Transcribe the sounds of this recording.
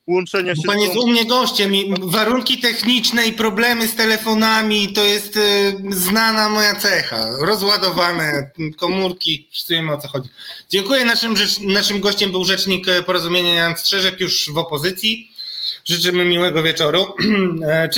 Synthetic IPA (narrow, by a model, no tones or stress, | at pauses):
wɔnt͡ʂɛɲpaɲɛmɲɛɡɔɕt͡ɕɛmivaɾuŋkʲit̪ɛxɲit͡ʂnɛipɾɔblɛmɘst̪ɛlɛfɔnamʲit̪ɔjɛst̪znanamɔjat̪sɛxa̰ɾɔzwad̪ɔvanɛkɔmuɾkʲipsujɛmɘɔt̪sɔxɔd͡ʑid͡ʑɛŋkujɛnaʂɘmʐɛnaʂɘmɡɔɕt͡ɕɛmbɘwʐɛt͡ʂɲikpɔɾɔzumʲjeɲajanstʂɛʐɛkjuʐvɔpɔzɘt̪sʲji | ʐɨt͡ʂɘmɘmʲiwɛɡɔvʲjɛt͡ʂɔɾu